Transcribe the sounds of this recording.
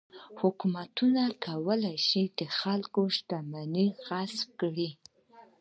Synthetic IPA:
hʊkumat̪unakʰawəlajʃid̪əxalkoʃt̪amaniɣasfkɽi

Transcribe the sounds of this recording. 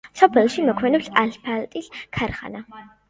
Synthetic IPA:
sɔpʰɛlʃimɔkʰmɛnɔpɬaɬpʰalt̪ʼiɬkʰaɾχa̰na

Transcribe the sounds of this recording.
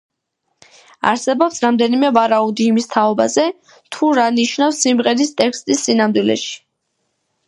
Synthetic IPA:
a̰ɾsɛbɔpsɾamd̪ɛnimɛvaɾaud̪iːmist̪ʰaɔbazɛ | t̪ʰuɾaniʃnafsimʁɛɾist̪ʼɛkʰst̪ʼisːinamd̪wilɛ̰ʃi̥

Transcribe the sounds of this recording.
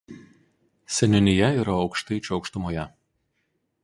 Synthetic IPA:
sʲɛnʲʊnʲɪjɛiːɾɐɒʊkʃt̪ɐɪt͡ʃʲʊɒʊkʃt̪ʊmoːjɛ

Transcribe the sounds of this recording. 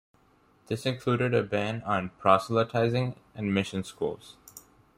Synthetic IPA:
d̪̥ɪsɪ̃nkʰluːɾɪɾəbæ̃nə̃npʰɹ̥ɑslətʰaɪzɪ̃ŋæ̃nmɪʃə̃nskṵːlˠz̥

